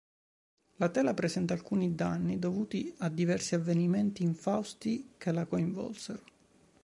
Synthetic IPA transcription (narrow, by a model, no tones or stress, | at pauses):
lat̪ɛːlapɾezɛnt̪aːlkuːnid̪anːid̪ovuːt̪iad̪ːivɛrsiavːeniment̪iːɱfawst̪ikelakoiɱvɔ̰lseɾo